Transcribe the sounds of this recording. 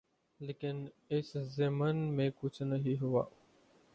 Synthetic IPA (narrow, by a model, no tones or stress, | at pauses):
leːkɪn | ɪszemənmẽkʊt͡ʃʰnəɦiɦʊʋa̰ː